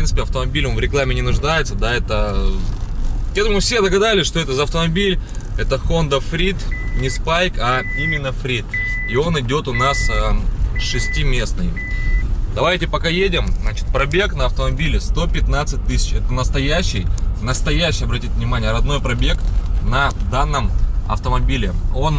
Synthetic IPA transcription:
fpɾinsɨ̥pʲɪɐft̪əmɐbʲilʲʊnvɾʲɪklˠamʲɪnʲɪnʊʐd̪ajɪt̪səd̪aɛt̪ə | jɛd̪ʊmʊmɨfsʲe̞d̪əɡɐd̪alʲɪsʲʂt̪o̞ɛt̪əzəɐft̪əmɐbʲilʲɛt̪əxo̞nd̪əfɾʲit̪nʲɪspajkɐimʲɪnːəfɾʲit̪io̞nɨdʲo̞t̪ʊnasəʂɨsʲtʲimʲe̞snɨj | d̪̥ɐvajtʲɪpɐkajedʲɪmznat͡ɕɪ̥t̪̚pɾɐbʲe̞knəɐft̪əmɐbʲilʲɪst̪o̞pʲɪt̪nat̪sɨt̚ʲt̪ɨsʲɪ̥t͡ɕɛt̪ənəst̪ɐjæɕːɪjnəst̪ɐjæɕːɪjɐbɾɐtʲitʲvnʲɪmanʲɪjəɾɐd̪no̞jpɾɐbʲe̞knɐd̪anːəmɐ̰ft̪əmɐbʲilʲɪo̞n

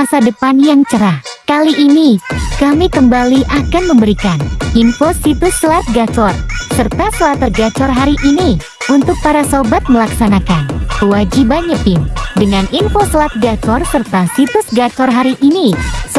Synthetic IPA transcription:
masadəpanjaŋt͡ʃəɾahkaliʔːnikamikəmbaliʔakanməmbəɾikanimfosit̪ʊsːəlat̪̚ɡat͡ʃɔrsərt̪asəlat̪əɡat͡ʃɔrɦaɾiʔini | unt̪ʊk̚paɾasobat̪̚məlaksanakankəwad͡ʒibaɲəpɪndəŋanimfosəlat̪̚ɡat͡ʃɔrsərt̪asit̪ʊsɡat͡ʃɔrɦaɾiʔini

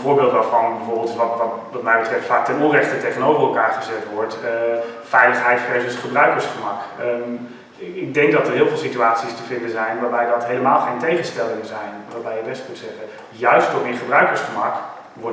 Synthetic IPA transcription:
voːɹbɪːlˠtʋaːɹvɑnbbɛvʊːɹbɪlˠtɪsʋɑtɑtʋɑtmɛjbətrɛftfaːk̚tɛnɔnrɛχtətejχənowvərɛlˠkaːɹχəzɛtʋɔɹt | fɛjləχɦɛjtχrejzəsχəbrœɥkəɹsχəmɑk | ɪɡ̚dɛŋk̚dɑtəɹɦɪːlˠvɪːlˠsityaːtsistəvɪndənzɛjnʋaːɹbɛjdɑtɦejləmaːlˠχejntejχənstɛlɪŋəzɛjnʋaːɹbɛjəbɛstmutsɛχə | jœɥstɔpɪnχəbrœɥkəɹsχəmɑk | ʋɔ

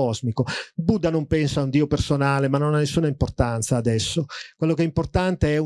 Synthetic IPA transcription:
ɔzmikobud̪ːanompɛnsaund̪iːopersonaːlemanːonanːesːuːnaimport̪ant̪saːd̪ɛsːokwelːokɛimport̪ant̪eɛu

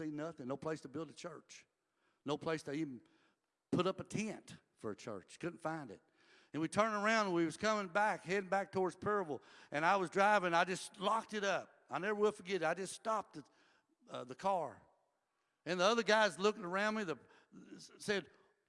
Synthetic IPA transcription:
inʌθɪ̃ŋnoʊpʰl̥eɪstʰəbɪlˠdɨt͡ʃʰɜ̰˞t͡ʃ | noʊpʰl̥eɪstʰɨiṽn̩ | pʰʊɾʌpətʰɛ̃nt | fə˞ɨt͡ʃʰɜ̰˞t͡ʃkʊdⁿn̩fãɪ̃ndɨ̰t̚ | ɨ̃nwitʰɜ̃˞ndə˞ãʊ̃ndwiwʌz̥kʰʌmɪ̃ŋbækhɛɾɪ̃ŋbæk̚tʰɔɹdz̥pʰɛɹɨvl̩ˠʔɨ̃ñaɪwʌzdɹaɪvɪ̃ŋaɪd͡ʒʌstlɑk̚tɨɾʌp̚aɪnɛvə˞wʌlˠəfə˞ɡɛɾɨɾaɪd͡ʒʌststɑp̚ðɨ | ʌðɨkʰɑɹ | ɨ̃nðiʌðə˞ɡaɪzlʊkŋə˞ãʊ̃nmiðə | sɛd̚

